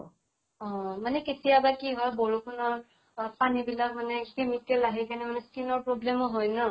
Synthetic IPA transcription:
ɔ̃manɛketijabakiɦɔjbɔɹukʰunɔɹ | panibilak̚manɛkemikɛlaɦikanɛmanɛskinɔɹpɹɔblɛmɔɦɔjnɔ

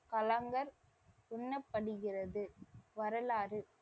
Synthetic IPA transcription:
kɐlɐŋɡɐɾ | ʊɳːɐpːɐɽɯɣɪrɐðɯʋɐɾɐlaːɾɯ

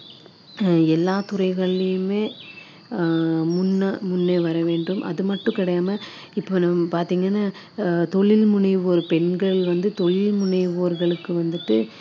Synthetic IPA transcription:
ɛlːaːt̪ʊrɐɪɣɐɭɪjɯmeː | mʊnːɐmʊnːeːʋɐɾɐʋeːɳɖɯmʔɐ̰ðɯmɐʈːʊ̃kɪɽɐjaːmɐ | ɪpːoːnɐmɐpaːɾt̪iːŋɡɐnːaː | t̪ɔɭɪlmʊnɐɪʋoːɾɯpɛɳɡɐɭʋɐnd̪ɯt̪ɔɭɪlmʊnɐɪʋoːɾɣɐɭɯkːɯʋɐnd̪ɯʈːɯ

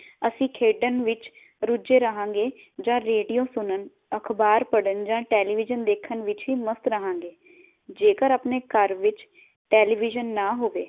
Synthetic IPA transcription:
əsĩːkʰeːɖənʋɪt͡ʃ | ɾʊd͡ʒeːɾəɦãːŋɡeː | d͡ʒãːɾeːɖijõːsʊnən | əkʰbaːɾpəɽənd͡ʒãːʈɛːliːʋɪd͡ʒənd̪eːkʰːənʋɪt͡ʃɦiːməst̪ɾəɦãːŋɡeː | d͡ʒeːkəɾaːpneːkəɾʋɪt͡ʃ | ʈɛːliːʋɪd͡ʒənːaːɦoːʋeː

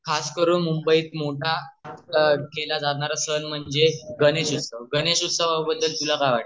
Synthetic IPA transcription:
kʰaskəɾuːnmumbəiːt̪moʈʰa | kelad͡zat̪ɳaɾasənm̤əɳd͡zeɡəneɕust̪əʋɡəneɕusəʋaubəd̪ːəlt̪ulakaʋaʈ

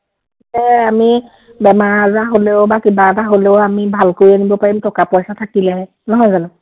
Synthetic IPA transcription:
tɛami | bɛmaɹazaɦoleʊbakibaɛtaɦoleoʊamibʱalkoɹianibɔpaɹimtʰɔkapɔjsatʰakilɛɦɛ | nɔɦɔjzan

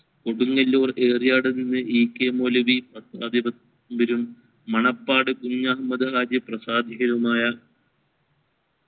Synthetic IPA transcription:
ko̞ɽuŋːɐlːoːre̞ːrijaːɽɨninːɨʔiːkːemoːlɐʋipɐt̪ːaːd̪ibɐt̪ː | mbɐɾumː | ɐɳɐpːaːɽɨkuɲːɐɦɐmɐd̪ɨɾaːd͡ʑjɐprɐsaːd̪ʱiɣɐɾumaːjɐ

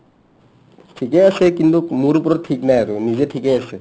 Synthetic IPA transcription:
ʈʰikeəsekint̪ukmuɾupɾɔʈʰiknajəɾunizeʈʰikeəse

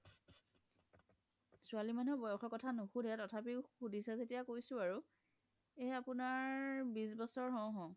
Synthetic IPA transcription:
sualimanubɔjɔxɔkɔtʰanuxudʱɛtɔtʰapixudisɛzetijakojsʊ̃aɹu | eapunaɹbis̬bɔsɔɹɦɔ̃wɦɔ̃

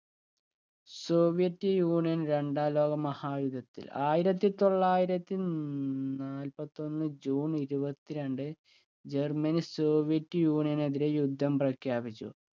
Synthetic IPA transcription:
so̞ːʋijɐtːɨjuːɳijɐnɾe̞ɳɖaːlo̞ːɡɐmɐhaːjud̪ʱɐt̪ːḭlaːjiɾɐt̪ːit̪o̞ɭːaːjiɾɐt̪ːi | naːlpɐt̪ːo̞nːɨd͡ʑuːniɾubɐt̪ːiɾe̞ɳɖɨ | d͡ʑe̞rmɐnso̞ːʋijɐtːjuːɳijɐneðiɾe̞jud̪ʱːɐmprɐkʰjaːbit͡ɕːṵ

